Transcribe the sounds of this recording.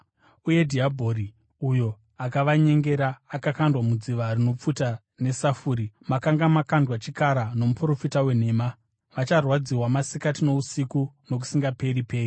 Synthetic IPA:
uje̞dʱiabʱo̞ri | ujo̞ | akaʋaɲe̞ŋɡe̞ɾaːkakandwamud͡ziʋarino̞p͡futa | ne̞safuːɾimakaŋɡamakandwat͡ʃikaɾano̞mupuro̞fitawe̞n̤e̞ːma | ʋat͡ʃarwad͡ziwamasikatino̞usikuno̞k̬u̥siŋɡape̞ɾipe̞ːri

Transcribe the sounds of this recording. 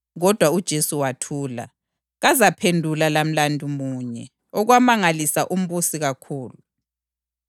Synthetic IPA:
ɣɔd̥ʱwaud̥ʒ̥ʱesuwatʰuːla̰ | ɣazapʰendʱulalam̩landʱumuːɲɛ̰ | ɔɣwamaŋalisaʔum̩βusiɣakʰuːlu

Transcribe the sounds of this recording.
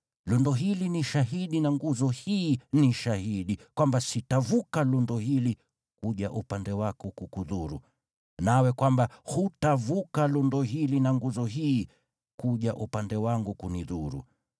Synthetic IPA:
lundɔɦiliniʃaɦiɗinaŋɡuzɔhiːniʃahiɗikwambasitavukalundɔhili | kuʄaʔupandɛwakukukuðuɾṵ | nawɛkwambahutavukalundɔɦilinaŋɡuzɔɦiː | kuʄaʔupandɛwaŋɡukuniðuɾṵ

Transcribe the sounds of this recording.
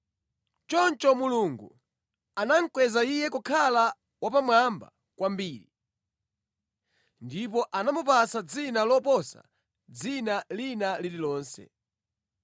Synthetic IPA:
t͡ʃɔnt͡ʃɔmuluŋɡu | anaŋ̩kwɛzaijɛkukʰala | wapamwamba̰ | kwambiːɾi | ndip̬ɔʔanamupasad͡zinalɔpɔsa̰ | d͡zinalinalililɔːnsɛ̰

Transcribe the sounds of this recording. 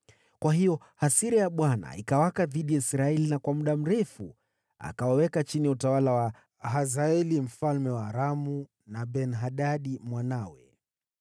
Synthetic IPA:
kwaɦijɔ | hasiɾɛjaɓwana̰ikawakaðiɗijaisɾaɛlinakwamuɗam̩ɾɛfu | a̰kawawɛkat͡ʃiniutawalawa | ɦazaɛlim̩falmɛwaːɾamu | naɓɛnɦaɗaɗimwanawɛ

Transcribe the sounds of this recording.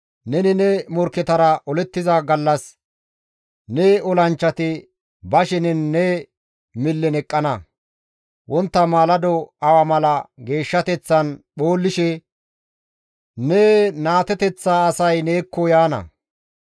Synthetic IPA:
nɛnɪnɛmɔɾkːɛt̪ɐɾɐʔɔlɛt̪ːɪzaɡɐlːɐs | neɔlɐnt͡ʃːɐt̪ɪ | bɐʃɛnɛnːɛ | mɪlːɛnɛkʼːɐnɐ | wʔɔnt̪ːɐmaːlɐd̪ɔɐwɐmɐlɐɡe̞ːʃːɐt̪ɛt͡sːɐnɓoːlːɪʃɛ | nenaːt̪ɛt̪ɛt͡sːaːsɐjneːkːɔjaːnɐ̰

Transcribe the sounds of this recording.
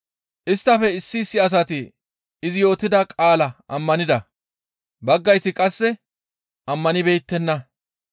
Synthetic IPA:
ʔɪst̪ːɐfɛɪsːisːɪɐs̬ɐt̪ɪ | ɪzɪjo̞ːt̪ːɪd̪ɐkʼaːlɐʔɐmːɐnɪd̪ɐ | bɐɡːɐjt̪ɪkʼɐsːɛ | ʔɐmːɐnɪbeːt̪ːɛnːɐ

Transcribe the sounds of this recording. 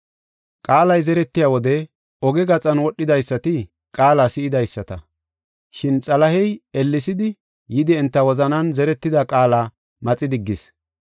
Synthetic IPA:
kʼaːlɐjzɛɾɛt̪ːɪjaːwɔd̪ɛ | ɔɡɛɡɐt͡sʼɐnwɔɗːɪd̪ɐjsːɐt̪ɪ | kʼaːlasɪɪd̪ɐjsːɐt̪ɐ̰ | ʃɪnt͡sʼɐlɐhɛjɛlːɪsɪd̪ɪ | jɪd̪ɪɛnt̪ːɐwɔzɐnɐnzɛɾɛt̪ːɪd̪ɐkʼaːlaː | mɐt͡sʼɪd̪ɪɡːɪs

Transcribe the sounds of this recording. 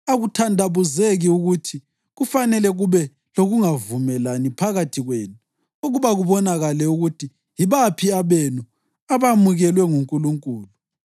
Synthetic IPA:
aɣutʰandʱaβuzeɣiuɣutʰi | ɣufanɛlɛɣuβɛ | loɣuŋavumɛlanipʰaɣatʰiɣweːnu | uɣuβaɣuβɔnaɣalɛuɣutʰi | jiβapʰiaβenu | aβamuɣɛlwɛŋuŋkʼuluŋkʼuːlu

